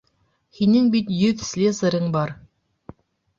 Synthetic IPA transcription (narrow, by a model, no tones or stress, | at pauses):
hinɘŋbit̪jɵðsʲlʲezɤ̆ɾɤɴbɑɾ